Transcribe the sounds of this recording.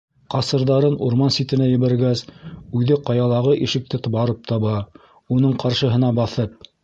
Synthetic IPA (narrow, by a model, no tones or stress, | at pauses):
qɑsɤ̆ɾðɑɾɤnuɾmɑnsit̪ɘ̆næjɘ̆βæɾɡæsʉðɘqɑjɑlˠɑʁɤʔiʃɘ̆k̚t̪ɘt̪βɑɾɤp̚t̪ʰɑβɑ | unɤɴqɑɾʃɤ̆ɦɤ̆nɑbɑθɤp̚